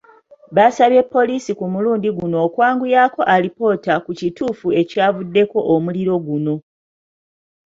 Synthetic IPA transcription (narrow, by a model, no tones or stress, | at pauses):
βasaβje̞pːo̞liːsikumuluːndiɡuno̞ːkwaːŋɡujaːko̞ʔalipo̞ːtakucituːfue̞caːvudːe̞ko̞ʔomuliɾo̞ɡuno̞